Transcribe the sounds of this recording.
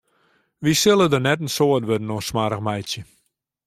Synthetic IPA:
ʋisɪlˠədərnɛtən̩soːətʋødən̩oənsmaɾəxmɛjsjə

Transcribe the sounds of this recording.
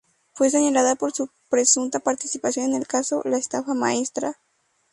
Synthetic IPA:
fwe̞s̬e̞ɲalaðapo̞ɾsu | pɾe̞sunt̪apaɾt̪isipasjo̞nene̞lkaso̞laest̪afama̰e̞st̪ɾa

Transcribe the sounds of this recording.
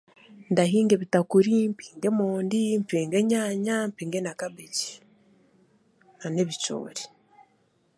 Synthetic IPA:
ndaɦiːŋɡeβitakuɾimpiːŋɡemoːndimpeːŋɡeɲaːɲampiːŋɡenakabeci̥ | aneβit͡ʃo̰ːɾi

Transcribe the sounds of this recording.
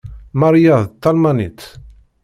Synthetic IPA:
maɾjaðt̪ːɑlmanḭt̪

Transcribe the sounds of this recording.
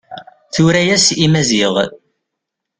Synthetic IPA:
θuɾæjæsimæziʁ

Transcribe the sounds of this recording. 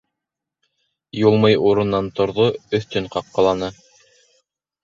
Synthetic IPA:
julˠmɤjuɾɤ̆nːɑnt̪ŏɾðoɵ̆θt̪ɵɴqɑqqːɑ̆lˠɑnɤ

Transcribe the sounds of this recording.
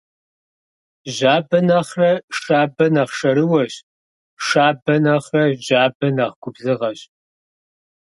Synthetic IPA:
ʒaːbɐnɐχrɐʂaːbɐnɐχʂɐɾɨwɐɕ | ʂaːbɐnɐχrɐʑaːbɐnɐʁɡʷʊbzɨʁɐɕ

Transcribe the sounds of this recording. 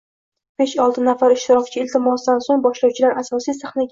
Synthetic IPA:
b̥eʃɒlˠt̪ʰɪnafaɾɪʃt̪ʰɪɾɒkʲt͡ʃʰɪɪlt̪ʰɪmɒsd̪ansoŋbɒʃlɒwt͡ʃʰɪlaɾʔasɒsijsaχnaɡʲ

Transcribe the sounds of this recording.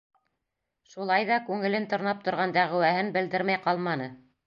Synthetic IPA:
ʃulˠɑjðɑkʉŋɘ̆lɘnt̪ŏɾnɑp̚t̪ŏɾʁɑnd̪æʁɘ̆wæhɘnbɘ̆ld̪ɘɾmæjqɑlˠmɑnɤ

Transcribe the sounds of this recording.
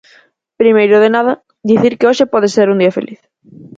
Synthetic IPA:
pɾimejɾʊðenaðɐ | ðiθiɾkeoʃɪpɔðeseɾund̪iɐfḛlʔiθ

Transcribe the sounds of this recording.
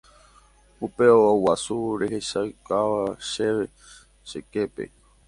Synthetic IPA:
upe̞oowasuɾe̞ɦeʃaɨkaʋaʃe̞ʋe̞ | ʃeke̞pe̞̰

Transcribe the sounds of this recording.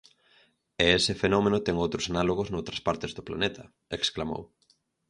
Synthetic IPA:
eesɪfenɔmẽnʊt̪ɛŋowt̪ɾʊsanaloɣʊznowt̪ɾɐspaɾt̪ɪzðʊpla̰net̪ʰɐ | eksklamo̰w

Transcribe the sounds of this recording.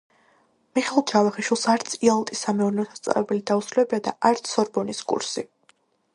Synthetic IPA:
miχɛlˠt͡ʃʰavaχiʃwilˠsaɾt̪sʰialˠt̪ʼisːamɛuɾnɛɔt̪ʰḁst̪sʼa̰vɛbɛlid̪ausɾulɛbiad̪aʔaɾt̪sʰɔɾbɔniskʼṵɾsi

